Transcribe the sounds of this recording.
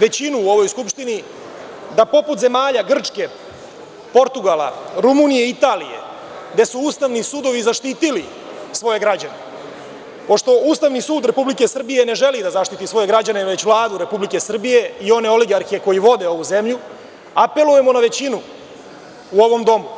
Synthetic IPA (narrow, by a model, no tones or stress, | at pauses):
ʋe̞t͡ɕinuːo̞ʋo̞jskupʃt̪ini | d̪apo̞put̪ze̞maːʎaɡr̩t͡ʂke̞ | po̞ɾt̪uɡala̰ɾumunijeit̪aːlije̞̰ | ɡd̪e̞suuːst̪aʋnisud̪o̞ʋizaʃt̪iːt̪ili | sʋo̞je̞ɡɾad͡ʑane | po̞ʂt̪o̞uːst̪aʋnisuːd̪ɾe̞publike̞sr̩bije̞ne̞ʒe̞lid̪azaʃt̪it̪isʋo̞je̞ɡɾad͡ʑane̞ʋe̞t͡ɕʋlˠaːd̪uɾe̞publike̞sr̩bije̞io̞ne̞o̞liɡaɾxie̞ko̞jiʋo̞d̪e̞o̞ʋuze̞mʎu | ape̞lujemo̞naʋe̞t͡ɕinuː | o̞ʋo̞md̪o̞mu